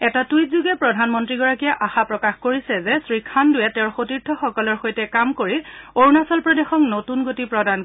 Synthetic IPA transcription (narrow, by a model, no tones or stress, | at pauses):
ɛtatujt̚zuɡɛpɹɔdʱanmɔntɹiɡɔɹakijɛʔaxapɹɔkaxkoɹisɛzɛsɹikʰandʊjɛtɛʊɹxotiɹtʰɔxɔkɔlɔɹxojtɛkamkoɹioɹnasɔlpɹɔdexɔknotunɡotipɹɔdan